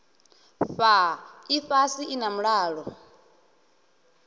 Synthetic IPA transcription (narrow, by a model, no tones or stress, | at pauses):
ɸaifasiinamuɺaːɺɔ